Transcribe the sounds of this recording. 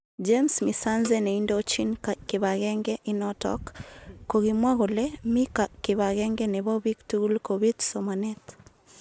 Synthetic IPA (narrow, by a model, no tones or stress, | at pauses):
d͡ʒemsmisanzɛneindot͡ʃinkɪβaɣɛŋɡɛʔinɔtɔ̰kːoɣimwaɣolɛmikakɪβaɣɛŋɡɛneβɔβiktuɣulkoβitsɔmanɛt